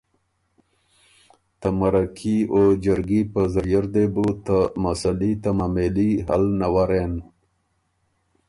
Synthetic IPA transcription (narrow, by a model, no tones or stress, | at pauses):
t̪amaɾakʰiod͡ʒəɾɡipəzəjəɾd̪ebut̪amasalit̪amameliɦa̰lnawaɾen